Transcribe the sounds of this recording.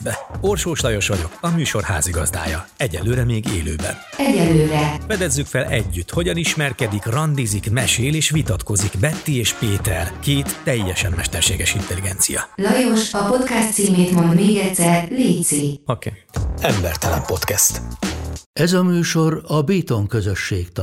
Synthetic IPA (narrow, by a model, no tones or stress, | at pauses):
bɛo̞rʃoːʃlɒjo̞ʃʋɒɟo̞kɒmyːʃo̞rha̰ːziɡɒzd̪a̰ːjɒɛɟɛnlːøːɾɛmeːɡḛːlø̰ːbɛ̰n | ɛɟɛlløːɾɛfɛd̪ɛzːykfɛlɛɟːyt̪ːho̞ɟɒniʃmɛrkɛd̪ikrɒnd̪izikmɛʃeːleːʃʋit̪ɒt̪ko̞zikbɛt̪ːieːʃpeːt̪ɛrkeːt̪ːɛjːɛʃɛmːɛʃt̪ɛrʃeːɡɛʃint̪ɛliɡɛnt̪sijɒ̰lɒjo̞ʃɒpo̞t̪kast̪siːmeːt̪mo̞nd̪meːɡɛt̪sɛrliːt̪siokeːɛmbɛrt̪ɛlɛmpo̞t̪kɛst̪ | ɛzɒmyːʃo̞rɒbiːt̪o̞ŋkø̞zø̞ʃːeːkt̪